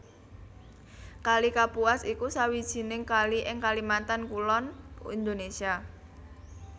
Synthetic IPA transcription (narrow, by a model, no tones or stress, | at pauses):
kalikapuasikusawid̥ʒ̥i̤nɪŋkaliʔɪŋkalimant̪ankulɔnind̪onesia